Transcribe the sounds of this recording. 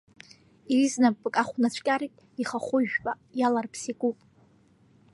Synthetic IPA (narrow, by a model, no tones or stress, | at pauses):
iriznapʼːɨkʼaχʷnat͡ɕʷʰkʲʼaɾitʼ | iχaχʷʊʒᶣpʼa | jalarpʰsikʼupʼ